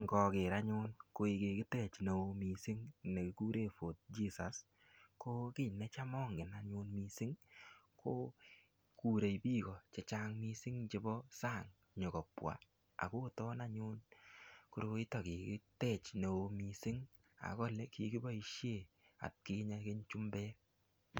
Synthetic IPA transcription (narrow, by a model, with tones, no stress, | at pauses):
ŋɡɔ˨kɪ˨ɾa˦ɲʊ˦nko˧i˧kɪ˨kɪ˦tɛ˦˨t͡ʃne˨o˧mi˨sɪ˦ŋne˨kɪ˨ku˦ɾe˦˨fo˨t̚d͡ʒi˦sa˨s | ko˦kɪ˦˨nːɛ˦t͡ʃa˦mɔː˦ŋɡɪ˨na˦ɲʊ˧nmi˧sɪ˦ŋkʰo˦ | ku˨ɾe˨jpiː˦kɔ˨t͡ʃe˨˦t͡ʃa˦ŋmi˦sɪ˦ŋt͡ʃe˧bɔ˦sa˦˨ŋ | ɲo˨kɔ˨pwa̰˨ | a̰˨ko˦tɔ˦na˦ɲʊ˦nku˨˦ɾo˧ɪ˦tɔ˨kɪ˨kɪ˦tɛ˦˨t͡ʃne˨o˧mi˨sɪ˦ŋ | a̰˨kɔ˦lɛ˦ki˨ki˦ba˦i˦ʃje˦˨ | a̰˨t̚ki˦ɲa˦ke˦ɲt͡ʃu˦mbɛ˦